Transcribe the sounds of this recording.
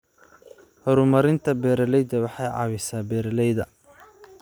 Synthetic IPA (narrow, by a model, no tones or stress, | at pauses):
hɔɾʊmɐɾɪnt̪ʰɐbɛːɾɐlɛjd̪ɐwɑħɑjʕɑ̰ːβɪsaːbɛːɾɐlɛjðɐ